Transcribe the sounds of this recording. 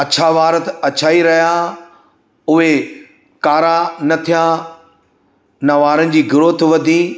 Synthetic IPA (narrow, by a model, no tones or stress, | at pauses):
ɐt͡ɕʰaʋaːɾət̪ɐt͡ɕʰaːiɾɐɦja | ʊɦe | kaːɾãnɐt̪ʰijã | nɐʋaːɾənɪ̆d͡ʑiːɡɪɾoːt̪ʋɐd̪ʱĩː